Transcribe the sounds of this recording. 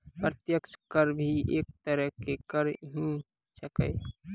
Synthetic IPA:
pɾət̪jəkt͡ʃkəɾbʱieːk̚t̪əɾəɦkekəɾɦĩ | səkə̰ɪ

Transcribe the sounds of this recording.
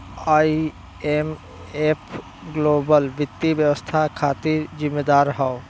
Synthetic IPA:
aːi | em | epʰ | ɡloːbəlʋɪt̪ːibjəʋəst̪ʰakʰaːt̪iɾzɪmːed̪aːɾɦao

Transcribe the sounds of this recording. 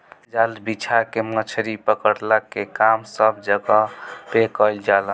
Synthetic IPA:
d͡ʒalbit͡ʃʰakemət͡ʃʰɾipəkəɾləkːekamsəbʱd͡ʒəɡɔpekəld͡ʒalən

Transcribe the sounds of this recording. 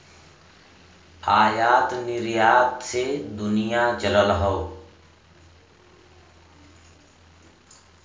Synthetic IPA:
aːjaːt̪nɪɾjaːt̪sed̪ʊnijat͡ʃələlɦəː

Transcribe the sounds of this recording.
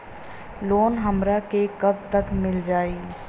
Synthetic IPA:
loːnɦɐmɾakekɐb̚t̪ɐkmɪld͡ʒaːiː

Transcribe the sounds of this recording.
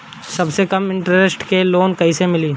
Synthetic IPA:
sɐbsekɐmɪ̃ɳʈɾesʈkeloːnkɐɦisemɪliː

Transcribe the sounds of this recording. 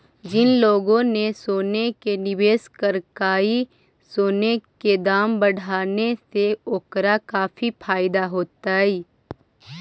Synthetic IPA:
d͡ʒɪnloːɡõnesoːnekenɪʋeːskəɾkaːi | soːneked̪aːmbɐɽ̤ʱaːneseoːkɾakaːfipʰaːɪd̪aɦoːt̪aiː

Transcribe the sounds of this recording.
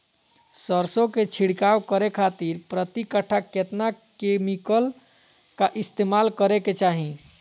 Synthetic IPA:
səɾsõket͡ʃʰiɽkawkəɾekʰat̪iɾpɾət̪ikəʈʰːaket̪nakemikəl | kaʔist̪emalkəɾeket͡ʃaɦĩ

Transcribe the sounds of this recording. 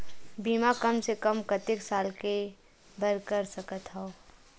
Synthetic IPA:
biːmakɐmsekəmkɐt̪eksaːlke | bəɾkəɾsɐkət̪ɦao

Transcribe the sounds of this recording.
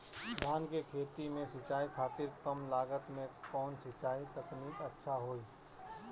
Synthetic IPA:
d̪ʱaːnkekʰeːt̪imẽsɪt͡ʃaːikʰaːt̪ɪɾkəmlaːɡət̪mẽkɔːnsɪt͡ʃaːit̪əkniːkətːʃʰaɦoːiː

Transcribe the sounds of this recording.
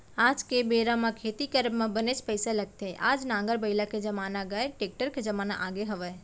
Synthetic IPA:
aːd͡ʒkebeːɾamãkʰeːt̪ikəɾbmẽbənet͡ʃpəɪsalɐɡ̚t̪eɦɛʔaːd͡ʒnãːŋɡəɾbɐɪlaked͡ʒɐmaːnaɡəeʈeːk̚ʈəɾked͡ʒɐmaːna̰ʔaːɡeɦɐʋə

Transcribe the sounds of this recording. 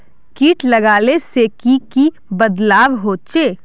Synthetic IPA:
kiːʈlɐɡaːleseːkiki | bəd̪laːʋɦoːt͡ʃeː

